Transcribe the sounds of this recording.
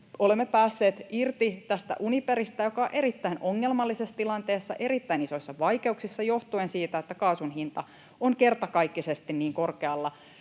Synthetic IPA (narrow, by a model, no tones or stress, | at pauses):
olemːepæːsːeːt̪irt̪it̪æst̪æ̰ʔunipeɾist̪æjokɑoʔe̞ɾit̪ːæinoŋːelmɑlːisesːt̪ilɑnt̪e̞ːsːɑʔe̞ɾit̪ːæiniso̞isːɑʋɑjke̞uksisːɑjo̞ht̪uensiːt̪æet̪ːækɑːsunɦint̪ɑ | oŋke̞rt̪ɑkɑikːisest̪inniːŋko̞rkeɑlːɑ